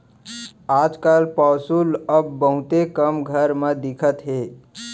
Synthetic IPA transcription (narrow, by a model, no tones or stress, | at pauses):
aːd͡ʒkaːlpaːsuləbːəɦut̪ekəmɡʱəɾmẽd̪ɪkʰət̪ɦeː